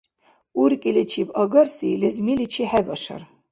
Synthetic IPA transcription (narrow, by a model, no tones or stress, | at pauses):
uɾkʼilɛt͡ʃʰibɑɡaɾsilɛzmilit͡ʃʰiħɛbaʃa̰ɾ